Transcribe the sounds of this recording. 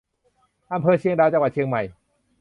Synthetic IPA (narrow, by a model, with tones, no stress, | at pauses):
ʔa˧mpʰɤː˧t͡ɕʰi˧əŋdaː˧wt͡ɕa˧wa˨˩t͡ɕʰi˧əŋma˨˩j